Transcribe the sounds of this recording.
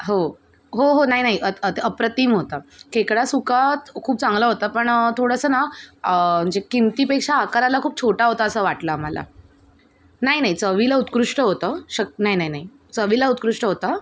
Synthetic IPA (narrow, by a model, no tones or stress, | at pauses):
ɦo | ɦoɦonaɦinaɦiʔəət̪əpɾət̪iːmɦot̪akekɽasukat̪kʰuːp̚t͡sãŋɡləɦot̪apəɳt̪ʰoɽəsəːna | məd͡ʑekimt̪iːpekʂaːkaɾalakʰuːp̚t͡ɕʰoʈaɦot̪aəsəʋaʈləmala̰ | naɦinaɦit͡səʋilaut̪kɾuʂʈəɦot̪əːɕək̚naɦinaɦinaɦi | t͡səʋilaut̪̚kɾuʂʈəɦot̪a